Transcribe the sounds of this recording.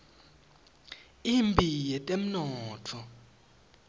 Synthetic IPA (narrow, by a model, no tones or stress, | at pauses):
iːmbʱijɛtʼem̩nɔːtʰɔ